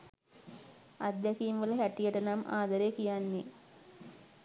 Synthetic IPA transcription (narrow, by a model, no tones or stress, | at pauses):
ad̪ːækiːmʋələɦæʈijəʈənama̰ːd̪aɾekijanːe